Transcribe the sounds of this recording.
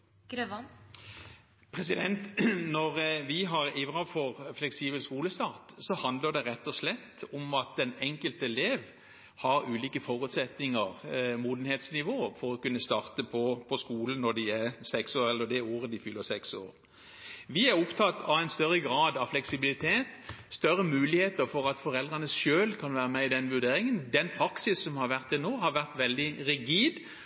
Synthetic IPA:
ɡ̥ɾøʋ | pʰɾɛsɪd̪ɛnt̪nɔʁʋɪɦɑʁɪʋɾɑfɔʁflɛksiːbəlskuːləst̪ɑːʁt̪sɔhɑnd̪ləɖ̪ɛɾɛt̪ːɔslɛt̪ːɔmɑt̪̚d̪ɛnɛŋkəlt̪əɛleːʋ | hɑɾʉːliːkəfɔʁʉt̪sɛt̪nɪŋəʁmuːd̪n̩heːt̪snɪʋoːfɔɾɔkʉnːəst̪ɑːʁt̪əpʰɔpʰɔskuːlən̩nɔɾd̪ɪæʁsɛksoːɾɛlːəd̪ɛoːɾəd̪ɪfʏlːəɾsɛkso̰ːɾ | ʋɪæɾʊpt̪ʰɑt̪ːɑʋæɪnst̪œɾːəɡɾɑːd̪ɑʋflɛksɪbɪlɪt̪ʰeːt̪st̪œɾəmʉːlɪheːt̪əɾfɔɾɑt̪fɔɾɛld̪ʁɑnəsʃøːlkʰɑnʋæːɾəmɛɪd̪ɛnːʋʉd̪eːɾɪŋənd̪ɛnpʰɾɑksɪsːɔmhɑɾʋæʁt̪ɛnoːɦɑɾʋæʁt̪ʋɛld̪ɪʁɪɡiːd̪

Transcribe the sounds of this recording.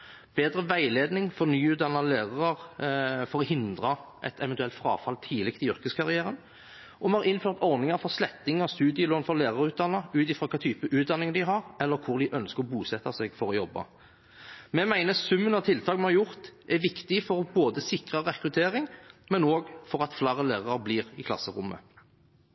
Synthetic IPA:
b̥eːd̪ɾəʋæɪleːd̪nɪŋfɔʁnyːʉːt̪d̪ɑnːɑlæːʁɑəʁfɔʁɔhɪnd̪ʁɑʔɛ̰t̪ʰɛʋɛnt̪ʉɛlt̪fɾɑ̰ːfɑlt̪ʰiːlɪkt̪ɪʏɾkəskʰɑʁɪæːɾən | ʔɔmɛhɑʁɪnføːʁt̪ɔɾnɪŋɑɾfɔʁslɛt̪ːɪŋɑst̪ʉːd̪ɪəɪloːnfɔlæːʁɑɾʉːt̪̚d̪ɑnːəʉːt̪ɪfɾɑːkʰɑːt̪ʰyːpəʔʉːt̪̚d̪ɑnːɪŋd̪ɪɦɑɾɛlːəɾkʰʊɾd̪ɪʔœnskəʁɔbuːsɛt̪ːɑsɛɡfɔɾɔjɔbːɑ̰ | mɛmæɪnəsʉmːənɑt̪ʰɪlt̪ʰɑːkmɛhɑɾjʊʁt̪ʔæʋɪkt̪ɪfɔʁboːd̪əsɪkʁəʁɛkɾʉt̪ʰeːɾɪŋmɛnoːɡfɔɾɑt̪flæːɾəlæːʁɑɾbliːʁɪkʰlɑ̰sːəɾʊmːə̰

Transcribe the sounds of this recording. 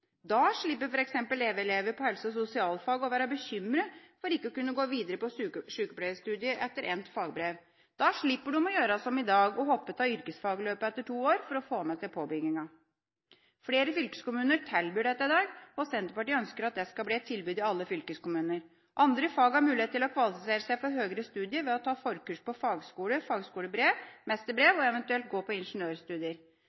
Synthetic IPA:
d̪ɑʂɭɪpːəɾfɔɾɛksɛmpəleːʋɛleːʋəɾpʰɔhɛlsəɔsʊsɪɑːlfɑːɡɔʋæːɾəbəɕʏmɾəfɔɾɪkːəɔkʉnːəɡoːʋiːd̪əɾəpɔʂʉːkəpɽeʋəst̪ʉːd̪ɪəʔɛt̪ːəɾʔɛnt̪fɑːɡbɾeːʋ | d̪̥ɑʂɭɪpːəɖʉmɔjøːɾɑsɔmɪd̪ɑːɡɔhɔpːət̪ʰɑːʏɾkəsfɑːɡløːpəɛt̪ːəʈʰuːoːɾfɔɾɔfoːmɛsɛɪpʰoːbʏɡnɪŋɑ | fleːɾəfʏlkə̥skʊmʉːnəʈʰɛlbyːɖɛt̪ːɑɪd̪ɑːɡɔsɛnt̪əɾpɑʈiːœnskəɾɑt̪̚d̪ɛskɑlbliːɛt̪ʰɪlbyːd̪ɪɑlːəfʏlkəskʊmʉːnəɾ | ʔɑnd̪ɾəfɑːɡhɑɾmʉːlɪeːt̪ʰːɪlɔkʰʋɑlɪfɪseːɾəsæɪfɔɾɦøːɡəɾəst̪ʉːd̪ɪəɾʋɛɔt̪ʰɑːfɔɾkʉʂpɔfɑːɡskuːləfɑːɡskuːləbɾeːʋmɛst̪əɾbɾeːʋɔɛʋɛnt̪ʉɛlt̪̚ɡoːpʰɔɪnʂnøːɾst̪ʉːd̪ɪəɾ

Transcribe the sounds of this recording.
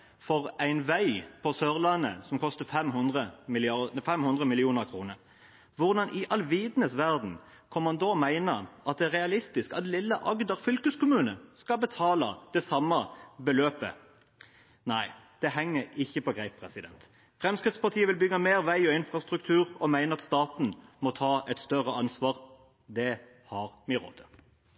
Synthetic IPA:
fɔʁæɪnʋæɪpʰɔsœʁlɑnːə̰sɔmkʰɔst̪əfɛmhʊnd̪ʁəmɪlɪɑfɛmhʉnd̪ʁəmɪlɪuːnəʁkʰʁuːnəʁ | ʋʊʁd̪ɑnʔɪʔɑlʋiːd̪nəsʋæʁd̪n̩ | kʰɔmmɑnd̪oːmæɪnəʔɑt̪̚d̪ɛæʁɛɑlɪst̪ɪskɑ̰t̪lɪlːəʔɑɡd̪ɑʁfʏlkəskʊmʉːnəskɑbət̪ʰɑːlɑd̪̥ɛsɑmːəbəløːpə̰ | næɪd̪̥ɛɦɛŋːəɾɪçːəpɔɡɾæɪp̪̚pʰʁɛsɪd̪ɛnt̪ | fʁɛmskʁɪt̪spɑʁt̪ʰiːəʋɪlbʏɡɑmeːʁʋæɪɔɪnfʁɑst̪ʁʉk̚t̪ʰʉːʁɔmæɪnəʁɑt̪st̪ɑːt̪n̩mɔt̪ʰɑːʔɛt̪st̪œʁəɑnsʋɑːʁ | d̪ɛ | hɑʁmɪʁo̰ːt̪ʰə

